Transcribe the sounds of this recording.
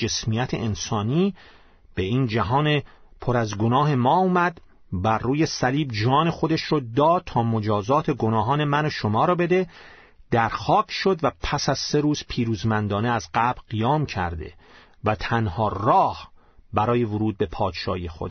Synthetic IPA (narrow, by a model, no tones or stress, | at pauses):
d͡ʒe̞smijæt̪ʰḛʔensɒːniː | b̥e̞iːnd͡ʒæɦɒːne | pʰoɾæzɡo̞nɒːɦe̞mɒːumæd̪ | bæɾruːje̞sæliːbd͡ʒɒːne̞xo̞d̪e̞ʃɾɔːd̪ɒːt̪ʰːɒːmod͡ʒɒːzɒːt̪ʰe̞ɡonɒːɦɒːne̞mænoʃomɒːɾɒːbe̞d̪e̞ | d̪̥æɾxɒːcʰʃo̞d̪væpʰæsæz̥se̞ɾuːz̥pʰiːɾuːzmænd̪ɒːneæzɢæbɾɢijɒːmcʰæ̰ɾd̪ḛ | væt̪ʰænhɒːrɒːh | bæɾɒːje̞voɾuːd̪̚be̞pʰɒːd̪ʃɒ̰ːijexo̰d̪